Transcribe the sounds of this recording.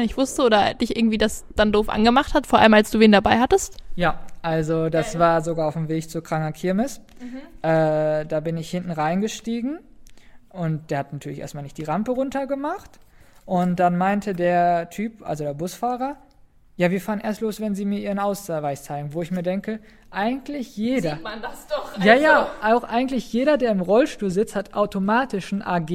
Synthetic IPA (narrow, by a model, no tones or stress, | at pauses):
nɪçv̥ʊstəʔoːdɐd̥ɪçʔɪ̰ɐɡŋ̩tv̥iːdasd̥andoːfʔa̰nɡəmaχthatfoːɐʔa̰ləmalsd̥uːveːndabaɪɦhatəstjaːʔalzodasv̥aːɐzoɡaːaʊfm̩veːçt͡sukʁ̥aŋɐkʰɪɐmɪsʔɛːdaːbɪnɪçhɪntn̩ʁaɪnɡəʃtiːɡŋ̩ | ʔʊnt̚d̥eːɐhatnatʰyːɐlɪçʔḛɐstmaːlnɪçtd̥iːʁampəʁʊntɐɡəmaχt | ʔʊntd̥anmaɪntʰədeːɐtʰyːpʔa̰lzodeːɐbʊsfaːʁɐ | jaːviːɐfaːʁənḛːɐstloːsv̥ɛnziːmiːɐʔiːʁənaʊst͡savaɪst͡saɪɡŋ̩voːɪçmiːɐdɛŋkə | ʔaɪɡŋ̩tʰlɪçjeːdɐadasd̥ɔχjaːjaːʔaʊxʔaɪɡŋ̩tlɪçjeːɾɐdeːɐɪmʁɔlʃtuːlzɪt͡sthatʔaʊtomaːtɪʃn̩ʔa̰ɐɡeː